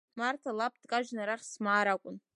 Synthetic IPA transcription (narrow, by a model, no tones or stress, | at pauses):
martʰalapʰʼd̥kʼaʒᶣnaɾaχʲsmaːɾakʷʼʊn